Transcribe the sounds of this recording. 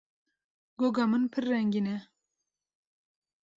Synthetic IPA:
ɡoɡɑmɨnpʰɨɾːɛŋɡinɛ

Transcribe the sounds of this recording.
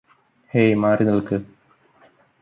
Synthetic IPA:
hejmaːrinɐɭkɨ

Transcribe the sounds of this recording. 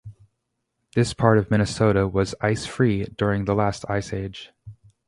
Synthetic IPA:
ðɪspʰɑɹɾʌvmɪ̃ñɨsoʊɾəwʌzaɪsfɹidʊɹɪ̃ŋðəlæstʰa̰ɪseɪd̥ʒ̥

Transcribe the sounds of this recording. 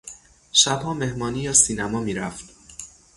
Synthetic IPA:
ʃæb̥hɒːme̞hmɒːniːjɒːsiːnæmɒːmiːɾæft̪

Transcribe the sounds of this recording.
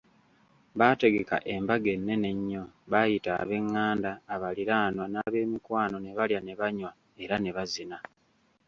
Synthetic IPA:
βate̞ɡe̞ka̰ʔe̞mbaɡe̞nːe̞ne̞ɲːo̞βajita̰ːβe̞ŋːaːndaːβaliɾaːnwanaːβe̞ːmikwaːno̞ne̞βaljane̞βaɲwa | e̞ɾane̞βazina

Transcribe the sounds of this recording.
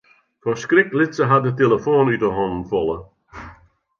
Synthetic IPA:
fɔskrɪklɪtsəɦadətelˠəfoːnytəɦɔndn̩fɔlˠə

